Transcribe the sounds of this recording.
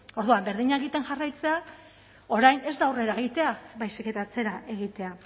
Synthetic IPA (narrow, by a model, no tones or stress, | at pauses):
o̞ɾðuambe̞ɾðiɲaeɣit̪e̞nʝarajt͡se̞a | o̞ɾajne̞zd̪awre̞ɾaeɣ̞it̪e̞abajsike̞t̪aːt͡se̞ɾaʔe̞ɣit̪e̞a